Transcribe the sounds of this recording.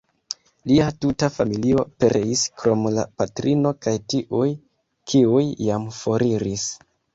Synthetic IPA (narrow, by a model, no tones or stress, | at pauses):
liatutafamilio̞pe̞ɾʔeiskɾo̞mla̰patɾʔino̞kajtiʔuj | kʰiujːamfo̞ɾiɾis